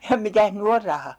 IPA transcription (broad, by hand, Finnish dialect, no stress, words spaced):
jɑ mitæh ny or rɑhɑ